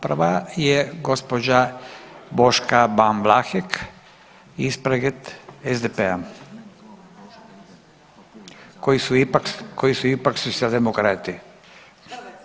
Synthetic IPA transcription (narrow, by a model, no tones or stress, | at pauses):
prʋajeɡo̞spod͡ʑa | bo̞ʃkabanʋlaxek | ispɾeɡet̪ezd̪epea | kojisuipakkʰojisuipaksusald̪emokɾat̪i